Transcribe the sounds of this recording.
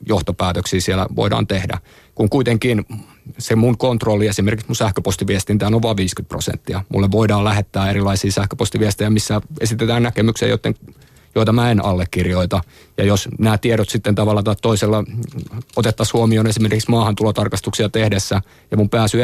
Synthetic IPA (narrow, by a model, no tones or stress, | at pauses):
joht̪opæːt̪øksiːsiɛlæ̰ʋo̰idɑ̰ːnt̪ehdæ̰ | kuŋkuit̪eŋkiːn | semuŋkont̪rolːiesimerkiksmunsæhkøpost̪iʋiest̪int̪æːlːoʋʋɑʋʋiːskyt̪̚prosḛnt̪ːiɑmṵlːeʋʋoidɑːlæhet̪ːæːeɾilːˑɑisiːsæhkø̥post̪iʋiest̪ejæmisːæesit̪et̪æːnnækemyksḛjo̰t̪ːeŋ | joit̪ɑmæenɑlːekːirjoit̪ɑ | jɑjosnæːt̪ieɾot̪sit̪ːent̪ɑʋɑlːɑt̪ɑːt̪t̪oiselːɑ | ot̪et̪ːɑshuomioːnesimerkiksmɑːhɑnt̪ulot̪ɑrkɑst̪uksiɑt̪ehdesːæ | jɑmumpæːsy